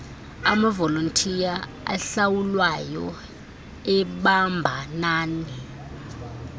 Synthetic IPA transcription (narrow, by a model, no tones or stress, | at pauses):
a̰mavɔlontʼʰija | a̰ɬawulwajɔ̰ | ɛɓambʱanaːni